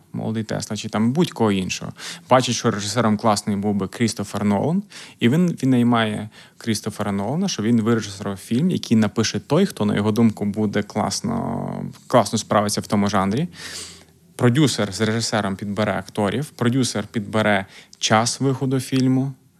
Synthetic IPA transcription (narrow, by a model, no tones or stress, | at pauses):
mɔ̰lˠɔd̪it̪ɛ̰slˠɐt͡ʃɪt̪ɑmbudʲkɔɦɔinʃɔ̰ɦɔ̰bɑt͡ʃɪʃt͡ʃɔɾeʒɪsɛɾɔmklˠɑsnɪjbuwbɪkɾʲist̪ɔfernɔ̰lˠɔniʋʲinʋʲid̪nɐjmɑjɛ | kɾʲist̪ɔfernɔlˠɐnɐʃt͡ʃɔʋʲinʋɪɾeʒɪsɛɾɔfʲilʲmjɐ̰kʲijnɐpɪʃɛt̪ɔjxt̪ɔnɐ̰jɔɦɔd̪umkʊbud̪ɛklˠɑ̰snɔ̰klˠɑsnɔspɾɑʋɪt͡sʲːɐwt̪ɔmʊʒɑnɾʲi | pɾɔdʲuserzreʒɪsɛɾɔmpʲid̪̚beɾɛɐkt̪ɔɾʲʔiwpɾɔdʲuserpʲid̪beɾɛt͡ʃɑsʋɪxɔd̪ʊfʲilʲmʊ